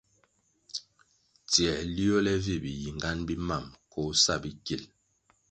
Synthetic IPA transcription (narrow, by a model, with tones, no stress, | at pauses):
tjɛ˨li˦o˦lɛ˦vi˦˨bi˨ji˨ŋɡa˦nbi˦ma˦˨mkɔ˨˦sa˦˨bi˦ki˨l